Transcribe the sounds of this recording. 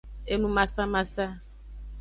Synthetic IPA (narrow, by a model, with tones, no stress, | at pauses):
e˦nũ˦mã˨sa˦mã˨sa˦